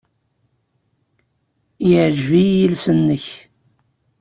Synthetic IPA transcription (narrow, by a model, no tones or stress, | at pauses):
jʕʒvijilsənːəç